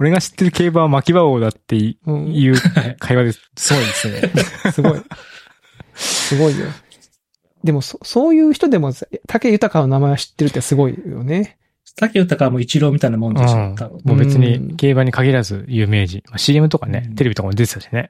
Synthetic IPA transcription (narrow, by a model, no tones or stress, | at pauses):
o̞ɾe̞ɡaɕi̥t̪ːe̞ɾɯ̟ke̞ːbaβmakʲibaoːd̪at̪ːẽ̞jɯ̟ːkʰaiβad̪e | sɨɡo̞id̪esɨnesɨɡoḭ | sɨɡo̞ijo̰ | d̪e̞mo̞soso̞ːjɯ̟ːçi̥t̪o̞d̪e̞mo̞t̪ʰakejɯ̟t̪akano̞namaeaɕi̥t̪ːe̞ɾɯ̟t̪ːeasɨɡo̞ḭjo̰ne̥ | t̪akʲijɯt̪akaβmoit͡ɕiɾo̞ːmʲit̪ainamõ̞nd̪eɕĩt̪ːaomoːbe̞t͡sɨɲ̟ike̞ːbaɲ̟ikaɡʲiɾazɨ̰jɯ̟ːme̞ːʑimaɕiːemɯ̟t̪o̞kane̞t̪eeit̪okamod̪e̞t̪e̥aɕine